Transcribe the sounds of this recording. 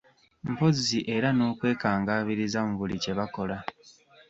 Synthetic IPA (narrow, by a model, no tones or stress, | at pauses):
m̩poziʔe̞ɾano̞ːkwe̞ːkaːŋɡaːβiɾizamuvulice̞βako̞la